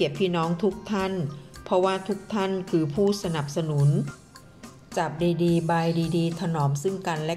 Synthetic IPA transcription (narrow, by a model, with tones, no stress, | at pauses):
i˨˩ət̪̚pʰiː˥˩˨nɔː˦˥ŋt̪ʰu˦˥k̚t̪ʰa˥˩npʰɔ˧waː˧˥˩t̪ʰu˦˥k̚t̪ʰa˥˩˨nkʰɯː˧pʰuː˥˩sa˧na˨˩p̚sa˧nu˨˩˦n | t͡ɕa˨˩p̚diː˧diː˧ba˧jdiː˧diː˧t̪ʰa˧nɔː˩˦msɯ˥˩ŋka˧nlɛ˧˦˥